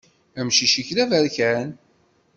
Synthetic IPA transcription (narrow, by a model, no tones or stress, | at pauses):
æmʃiʃiçlævæɾçæn